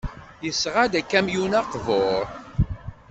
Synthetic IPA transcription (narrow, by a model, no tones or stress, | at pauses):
jəsːʁad̪ækːæmjunɑqvoɾ